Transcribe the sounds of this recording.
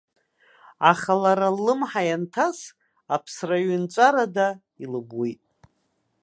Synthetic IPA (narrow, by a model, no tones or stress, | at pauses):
aχalaɾalːɨmħajantʰas | apʰsraɥɪnt͡ʃʷʼaɾada | ilɨbwijtʼ